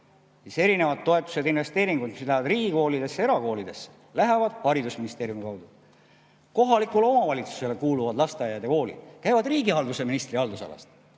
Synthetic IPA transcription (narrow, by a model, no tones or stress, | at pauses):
siːse̞ɾine̞vɑt̪ːo̞e̞t̪ːˑu̥sed̪inve̞st̪e̞ːɾiŋɡ̥ud̪mislæhvɑd̪riːɡ̥iko̞ːlid̪̥e̞sːeeɾɑko̞ːlid̪̥e̞sːe̥ | læɦevɑd̪̥hɑɾid̪usminist̪e̞ːɾjumikɑwd̪̥u | ko̞ɦɑlikulo̞mɑvɑlʲit̪su̥se̞lekuːluvɑd̪lɑst̪eɑjɑjd̪eko̞ːlḭd̪̥kæjvɑd̪riːɡiɑld̪use̞minist̪riɑld̪usɑ̰lɑ̰st̪